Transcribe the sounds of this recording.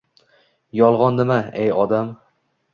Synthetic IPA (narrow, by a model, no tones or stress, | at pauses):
jɒlˠʁɒnnɪmaejɒd̪am